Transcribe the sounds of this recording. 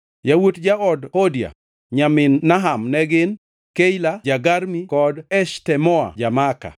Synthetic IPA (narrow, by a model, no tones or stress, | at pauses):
jawutd͡ʒaɔdhodja̰ | ɲamɪnːaɦamnɛɡɪn | kejlad͡ʒaɡaɾmikɔdɛʃtɛmɔa̰d͡ʒamaka̰